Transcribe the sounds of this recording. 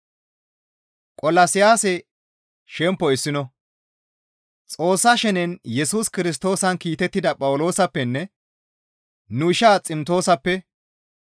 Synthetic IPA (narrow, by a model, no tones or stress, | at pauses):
kʼɔlːɐsɪjaːsɛ | ʃɛmpːɔɪsːɪnɔ | t͡sʼo̞ːsːɐʃɛnɛnjɛsuskɪɾɪs̬t̪o̞ːsɐnkiːt̪ɛt̪ːɪd̪ɐpʼɐwʊlo̞ːsɐpːɛnːɛ | nʊɪʃaːt͡sʼɪmt̪o̞ːsɐpːɛ